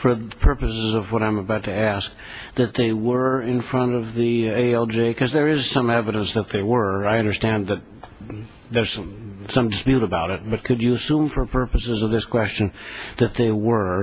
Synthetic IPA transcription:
fə˞pʰɜ˞pɨsɨzʌvwʌɾãɪ̃məbaʊtʰɨæsk̚ | ðɨt̪̚ðeɪwə˞ɪ̃nfɹʌ̃ntʌvðieɪɛlˠd͡ʒeɪkʰʌzðə˞ɪz̥sʌ̃mɛvəɾə̃nsðɨt̪̚ðeɪwə˞aɪʌ̃ndə˞stæ̃nðɨt̪̚ | ðə˞z̥sʌ̃sʌ̃mdɨspjʉɾəbaʊɾɨt̚b̥ʌt̚kʰɨd͡ʒɨːsũmfə˞pʰɜ˞pɨsɨzʌvðɪskʰw̥ɛst͡ʃɨ̃nðɨt̪̚ðeɪwə˞

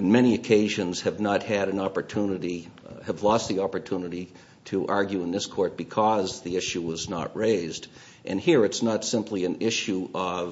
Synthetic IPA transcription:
ɨ̃n̩mɛñiɨkʰeɪʒɨ̃nz̥ɨvnət̚hɨɾɨ̃nɑpə˞tʰunɨɾiɨvlɔst̪̚ðiɑpə˞tʰunɨɾi | ɾɨʔɑɹɡjʉɨ̃nðɪskʰɔɹt̚b̥ɨkʰʌzðiɪʃʉwʌznə̰t̚ɹeɪzd | ʔɨ̰̃nhiɹɨtsnətsɪ̃mpʰliɨ̃nɪʃuʔʌv

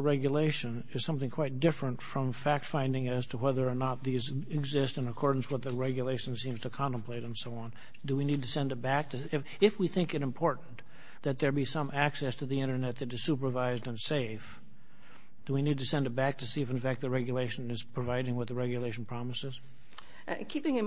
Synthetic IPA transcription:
ɹɛɡjɨleɪʃɨ̃n | ɨz̥sʌ̃mθɪ̃ŋkʰw̥aɪt̚d̥ɪfɹɨ̃ntfɹʌ̃ɱfæk̚tfãɪ̃ndɪ̃ŋɨz̥tʰəwɛðə˞ːnət̪̚ðizɪɡzɪstɨ̃nəkʰɔɹdⁿn̩swʌt̪̚ðɨɹɛɡjɨleɪʃn̩sĩmz̥tʰɨkʰɑ̃ntə̃mpʰl̥eɪɾ̃n̩soʊə̃n | dəwinid̚tʰɨsɛ̃ndɨt̚b̥æk̚tʰɨɪ | ɪfwiθɪ̃ŋkɨɾɨ̃mpʰɔɹʔn̩ | ðɨt̪̚ðə˞bisʌ̃mʔæksɛstʰɨðiɪ̃ɾ̃ə˞nɛt̪̚ðɨɾɨz̥supə˞vaɪzdɨ̃nseɪf | d̥ɨwinid̚tʰɨsɛ̃ndɨt̚b̥æk̚tʰɨsiɨfɨ̃nfæk̚t̪̚ðɨɹɛɡjɨleɪʃɨ̃nɨz̥pʰɹ̥ɨvaɪɾɪ̃ŋwʌt̪̚ðɨɹɛɡjɨleɪʃn̩pʰɹ̥ɑməsɨz̥ | kʰipɪ̃ŋɨ

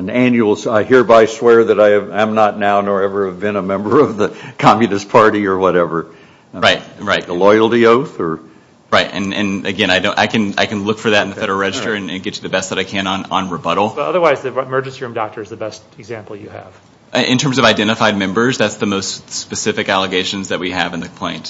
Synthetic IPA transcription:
ɨ̃næ̃njʉl̩ˠzaɪhiɹbaɪswɛɹðɨɾaɪɨvɨ̃mnətⁿnaʊnɔ˞ɛvə˞ɨvbɨ̃nəmɛ̃mbə˞ʌvðɨkʰɑmjɨnɨspʰɑɹɾiə˞wʌɾɛvə˞ | ɹaɪt̚ɹaɪt̚ðəlɔɪl̩ˠtioʊθə˞ | ɹaɪt̚ɨ̰̃nɨ̰̃nɨɡɛ̃ñaɪdõʊ̃nʔa̰ɪkɨ̃na̰ɪkɨ̃nlʊkfə˞ðɨɾn̩ðɨfɛɾə˞əɹɛd͡ʒɨstə˞ɨ̃nɨ̰̃nɡɛt͡ʃɨðɨbɛst̪̚ðəɾaɪkʰɨ̃nə̃nə̰̃nɹəbʌɾl̩ˠb̥ʌɾʌ̰ðə˞waɪzðɨmɜ˞d͡ʒ̃nsiɹũmdɑk̚tʰə˞ɨzðɨbɛstɨɡzæ̃mpl̩ˠjɨɨ̰v̥ | ʔɨ̃ntʰɜ̃˞mzʌvaɪdɛ̃ɾ̃ɨfaɪd̚mɛ̃mbə˞zðætsðɨmoʊstspɨsɪfɨkælˠəɡeɪʃɨ̃nzðɨt̚wiɨvɨ̃nðɨkʰmpʰl̥ẽɪ̃nt

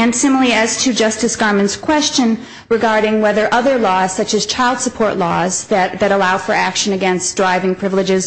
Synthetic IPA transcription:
ɨ̃nsɪ̃ml̩ˠiɨz̥tʰɨd͡ʒʌstɨsɡ̥ɑɹmɨ̃ntskʰw̥ɛst͡ʃɨ̃n | ɹɨɡɑɹɾɪ̃ŋwɛðə˞ʔʌðə˞lɔz̥sʌt͡ʃɨz̥t͡ʃʰaɪlˠd̥səpʰɔɹʔlɔ̰zðɨtðɨɾəlaʊfə˞ækʃɨ̃nɨɡɛ̃nsd̥ɹaɪvɪ̃ŋpʰɹ̥ɪvl̩ˠɨd͡ʒɪz̥

